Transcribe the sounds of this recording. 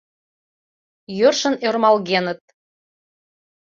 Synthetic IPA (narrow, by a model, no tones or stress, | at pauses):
jørʃə̆nørmɑlɣenə̆t̪̚